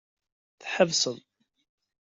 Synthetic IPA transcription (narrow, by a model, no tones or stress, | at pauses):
θħəvsəðˤ